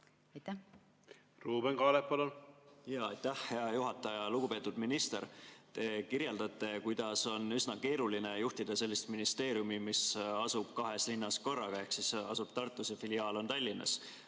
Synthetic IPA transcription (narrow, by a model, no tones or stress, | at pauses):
ɑjt̪ːæ | ruːbeŋkɑːleppɑlunjɑːɑjt̪ːæhhe̞ɑjuɦɑt̪ːˑɑjɑluɡ̥upeːt̪ːud̪minist̪eɾt̪e̞kiɾjeld̪̥ɑt̪ːˑe̞kujd̪̥ɑso̞nysnɑke̞ːɾuline̞juht̪id̪̥ɑse̞lːist̪minist̪e̞ːɾiumimisɑsub̥̚kɑɦe̞slinːɑsko̞rːɑɡ̥ɑe̞hksisɑsub̥̚t̪ɑrt̪ːˑusefiliɑːlo̞nt̪ɑlʲːinːɑ̰s